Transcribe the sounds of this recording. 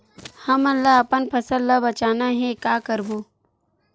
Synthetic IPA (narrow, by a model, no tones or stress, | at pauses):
hɐmɐnlaɐpənpʰəsəlːabɐt͡ʃaːnaɦɛ̃kaːkəɾboː